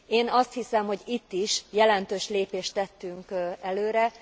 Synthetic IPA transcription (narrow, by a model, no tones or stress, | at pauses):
eːnɒst̪hisɛmho̞ɟit̪ːiʃjɛlɛnt̪øːʃleːpeːʃt̪ɛt̪ːyŋkɛløːɾɛ